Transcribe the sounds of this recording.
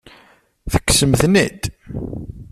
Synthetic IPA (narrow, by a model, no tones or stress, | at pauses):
θə̥kːsəmθnid̪